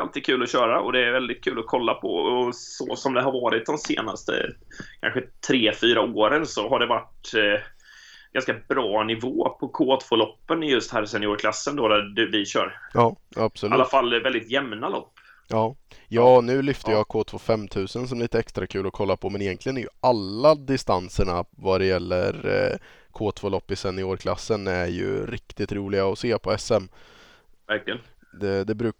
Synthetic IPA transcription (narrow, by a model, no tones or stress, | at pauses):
alt̪i̥ːkʰʉ̟ːlɔɕœːɾaɔd̪ɛːɾvɛld̪ɪt̪̚kʰʉ̟ːlɔkʰɔlːapʰɔ̰ɔsɔ̰sɔmd̪ɛɦaɾvɑːɾɪt̪̚d̪ɔmsḛːna̰st̪ə̰kʰa̰nɧət̪ʰɾeːfyːɾaoːɾənsɔɦaɖɛvaʈ | ɡ̥anskabɾɑːnɪvoːpʰɔkʰoːt̪fɔlɔpːənɪjɵst̪hæːɾsɛnɪoːɾkʰlasːənd̪oːd̪æɖʉvɪɕœ̰ːɾɑːab̥sɔlalːafalːvɛld̪ɪt̪jɛmnalɔ̰pː | jɑːjɑːnʉ̟ːlʏft̪əjɑːkʰoːt̪ʰvoːfɛmːt̪ʰʉ̟ːsənsɔmliːt̪əɛkst̪ɾakʰʉ̟ːlɔkʰɔlːapʰɔmɛnɪjɛnklɪɡənæɾjɵalːad̪ɪst̪ansəɳavad̪ɛjɛlːə̰ɾ | kʰoːt̪ʰv̥oːlɔpːɪsɛnːɪoːɾkʰla̰sːənæɾjɵ̰ɾɪkt̪ɪt̪ɾuːlɪɡaɔseːpʰɔɛsɛm | væɾklɪɡənd̪ɛd̪ɛbɾʉ̟ː